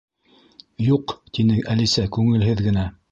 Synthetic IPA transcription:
juqt̪inɘʔælisækʉŋɘ̆lɦɘðɡɘ̆næ

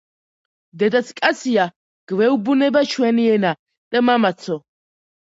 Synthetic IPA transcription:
d̪ɛd̪at̪sʰkʼasʰia | ɡ̥vɛubunɛbat͡ʃʰwɛniɛna | d̪̥amamat̪sʰɔ

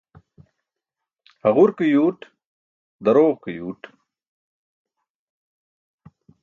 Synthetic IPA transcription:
hɐʁuɾkijuːʈ | d̪ɐɾoːʁkijuːʈ

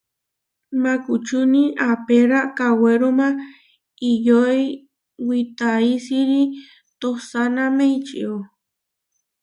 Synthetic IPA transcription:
makut͡ʃuniʔapeɾakaweɾoma | ijoj | wit̪aisiɾi | t̪osanamejt͡ʃḭo

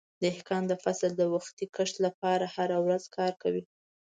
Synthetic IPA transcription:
d̪əɪhkɑnd̪əfasəld̪əwaxt̪ikəʂt̪lapɑɾahaɾawɾazkʰɑɾkawi

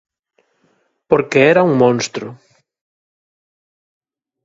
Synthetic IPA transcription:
poɾkeɛɾɐuŋmõnst̪ɾʊ

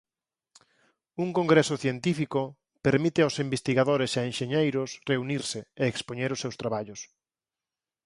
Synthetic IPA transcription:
uŋkõŋɡɾesʊθjent̪ifiko | peɾmit̪ɪaʊwsimbest̪iɣaðoɾesaenʃeɲejɾʊsreuniɾsɪeːkspoɲeɾʊsːewst̪ɾaβaʎʊs

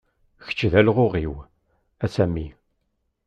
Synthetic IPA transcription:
çə̥t͡ʃːðælʁʊʁiw | æsæmːi

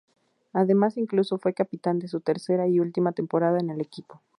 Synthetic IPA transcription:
aðe̞masiŋkluso̞fwe̞kapit̪and̪e̞s̬ut̪e̞ɾse̞ɾaiult̪imat̪e̞mpo̞ɾaðaene̞le̞kipo̞

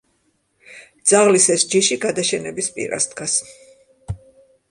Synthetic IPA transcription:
d̪z̥aʁlisɛsd͡ʒiʃiɡad̪aʃɛnɛbispʼḭɾa̰sd̪ɡas

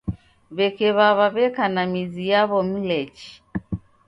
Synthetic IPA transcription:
βɛkɛβaβaβɛkanamizijaβɔm̩lɛt͡ʃi̥

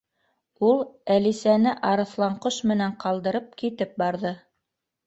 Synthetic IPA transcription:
ulˠælisænɘʔɑɾɤ̆θlˠɑɴqoʃmɘ̆næɴqɑlˠd̪ɤ̆ɾɤp̚kit̪ɘp̚bɑɾðɤ

